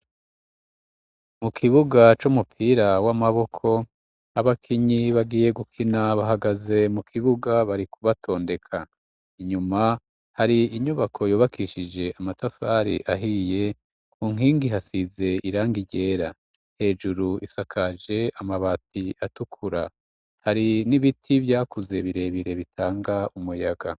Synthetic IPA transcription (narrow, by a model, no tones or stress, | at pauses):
mukʰiβuɡat͡ʃumupʰiːɾawamaβo̞kʰo̞ | aβakʰiɲiβaɡiːje̞ɡukʰinaβaɦaɡaze̞mukʰiβuɡaβaɾikuβatʰo̞ːnde̞kʰa | iɲuma | haɾiiɲuβakʰo̞joːβakʰiʃid͡ʒe̞ʔamatafaːɾḭʔaɦije̞ | kuːŋ̥iːŋɡiɦasize̞iɾaːŋɡiɟe̞ːɾa | he̞ːd͡ʒuɾuisakʰad͡ʒe̞amaβatiatukʰuɾa | haɾiniβitʰivjaːkuze̞βiɾe̞βiɾe̞βitʰaːŋɡaumujaɡa